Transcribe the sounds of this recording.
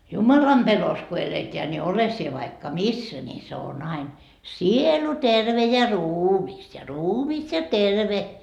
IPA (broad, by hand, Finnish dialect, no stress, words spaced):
jumɑlɑmb̥elos ko eleteæ nʲi ole sie ʋɑikːɑ misːæ nʲi se on ɑin sielu terʋe jɑ ruːmis jɑ ruːmis jɑ terʋe